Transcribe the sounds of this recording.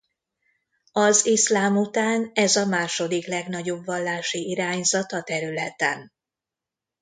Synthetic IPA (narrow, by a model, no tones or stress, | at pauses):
ɒzislaːmut̪aːnɛzɒmaːʃo̞d̪iklɛɡn̪ɒɟo̞bvɒlːaːʃiiɾaːɲzɒt̪ɒt̪ɛɾylɛt̪ɛ̰n